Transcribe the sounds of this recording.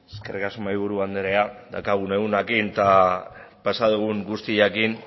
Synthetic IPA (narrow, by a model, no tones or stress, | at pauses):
eske̞rikasumajβ̞uɾuand̪eɾead̪a̰kaɣ̞une̞unakint̪a | pasaðuɣ̞uŋɡust̪iakin